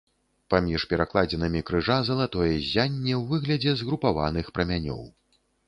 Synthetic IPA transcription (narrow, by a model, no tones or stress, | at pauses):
pamʲiʂpʲɛɾaklˠad͡zʲɛnɐmʲikɾɨʐazɐlˠat̪ɔjɛzʲanʲːɛwvɨɣlʲɐd͡zʲɛzɣɾupava̰nɨxpɾɐmʲanʲɔ̰w